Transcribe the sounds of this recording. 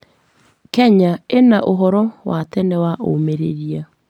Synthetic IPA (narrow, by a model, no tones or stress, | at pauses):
kɛɲaenaʔoɦɔɾɔwatɛnɛwaʔo̰meɾḛɾia